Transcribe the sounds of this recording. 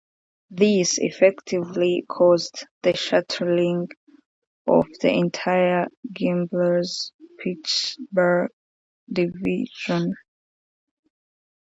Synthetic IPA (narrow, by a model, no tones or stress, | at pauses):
ðizḭfɛktʰivlikʰɔzðəʃatʰəlĩŋ | ʔɔ̰vðḭɛ̃ntʰajəɡɛ̃mblə˞zpʰiksbə˞ɡ | diviʒɔ̃n